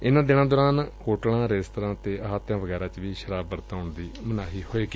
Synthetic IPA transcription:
ɪnãːd̪ɪñãːd̪oːɾaːnhoːʈɽãːɾeːst̪əɾãːt̪eːəɦaːt̪jãːʋəɡɛːɾãːt͡ʃʋiːʃəɾaːbːəɾt̪aːʊɳd̪iːmənaːɦiːhoːeːɡi

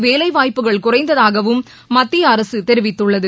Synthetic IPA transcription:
ʋeːlɐɪʋaːjpːɯɣɐɭkʊrɐɪnd̪ɐðaːɣɐʋɯmː | ɐt̪ːɪjɐːɾɐsɯt̪ɛɾɯʋɪt̪ːɯɭːɐðɯ

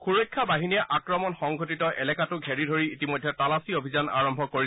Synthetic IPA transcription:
xuɹɔjkʰːabaɦiniɛʔakɹɔmɔnxɔŋɡʱotitɔʔɛlɛkatʊɡʱeɹidʱoɹiːtimojdʱːɛtalasiobʱizana̰ɹɔmbʱɔkoi

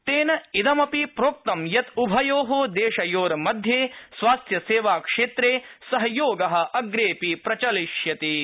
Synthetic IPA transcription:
t̪eːnɐid̪ɐmɐpipɾoːk̚t̪ɐmjɐt̪ubʱɐjoːɦoːd̪eːʃɐjoːɾɐmɐd̪ʱjeːsʋaːst̪jɐseːʋaːkʂeːt̪ɾeːsɐɦɐjoːɡɐɦɐ̆ʔɐɡɾeːpipɾɐt͡ʃɐliʂjɐt̪i

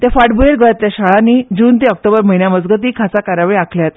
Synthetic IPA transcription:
t̪ẽfaʈbueɾɡəɭat̪jaɕaɭãniːd͡ʑuːnt̪̬eɔk̚ʈobəɾməɦinjaməd͡zɡət̪iːkʰat͡sakaɾaʋɭiakʰljat̪

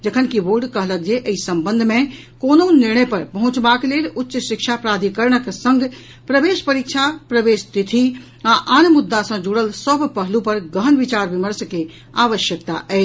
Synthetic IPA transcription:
d͡ʒəkʰənkiʋoɾɖkəɦlək̚d͡ʒeʔəisəmbə̃nd̪ʱmẽ | koːnonɪɾɳəjpɐɾpəɦʊ̃t͡ʃbakleːlʊtːʃʃɪkʃʰapɾaːd̪ʱikəɾɳəksə̃ŋɡ | pɾəʋeːʃpəɾikʃʰapɾəʋeːst̪it̪ʰi | aʔanmʊd̪ːasə̃d͡ʒuɽəlsəbʱpəɦlupəɾɡəɦənʋɪt͡ʃaːɾbiməɾske | aːʋəʃjəkt̪a̰ʔɛː

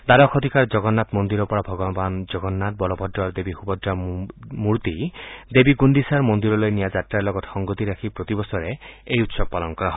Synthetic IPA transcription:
d̪aɾɔkʰɔd̪ʱikaɾd͡ʒɔɡɔnːat̪mɔnd̪iɾɔpɔɾabʱɔɡɔband͡ʒɔɡɔnːat̪̚bɔlɔbʱɔdːɔaɾd̪ebihubɔdɾamuɾt̪id̪ebiɡunɖisaɾmond̪iɾɔlojnijad͡ʒatɾaɾlɔɡɔt̪xɔŋɡɔt̪iɾakʰipɾot̪ibɔsɔɾeejut̪sɔb̚palɔnkɔɾaɦɔ

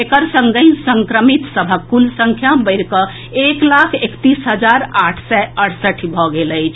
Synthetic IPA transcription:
ekəɾsə̃ŋɡənsəŋkɾəmit̪səbʱəulsə̃ŋkʰjabəɪɾkə | eklakʰekt̪isɦəd͡ʒaɾaʈʰsɛəʈʰsəʈʰibʱɔɡeləjt͡ʃʰ

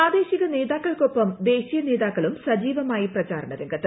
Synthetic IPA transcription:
aːd̪e̞ːɕiɣɐne̞ːðaːkːɐɭkopːɐmd̪e̞ːɕijɐne̞ːðaːkːɐɭumsɐd͡ʑiːʋɐmaːjiprɐt͡ɕaːɾɐɳɐðeŋɡɐt̪ːɐ

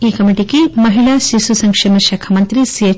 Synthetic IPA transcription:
iːkɐmiʈikemɐɦiɭaʃisusɐŋkʂimɐʃɐkʰɐmɐnt̪ɾisie

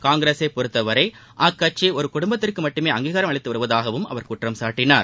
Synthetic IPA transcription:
kaːŋɡɾeːsɐɪpɔɾɯt̪ːɐʋɐɾɐɪ | ʔɐkːɐt͡ʃiɔɾɯkʊɽʊmbɐt̪ːɪrkɯmɐʈːɯmeːɐŋɡiːɣaːɾɐmɐɭɐɪt̪ːɯʋɐɾɯʋɐðaːɣɐʋɯmɐ̰ʋɐɾkʊʈrɐmsaːʈːɪnaːɾ

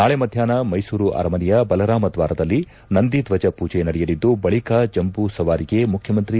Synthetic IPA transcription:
naːɭemɐd̪ʱjaːnɐmɐjsuːɾuʔɐ̰ɾɐmɐnijɐbɐlɐɾaːmɐd̪ʋaːɾɐd̪ɐlːi | nɐnd̪id̪ʋɐd͡ʒɐpuːd͡ʒɛnɐɽɛjɐlid̪ːubɐɭikaːd͡ʒɐmbusɐʋaːɾiɡe̞mukʰjɐmɐnt̪ɾi

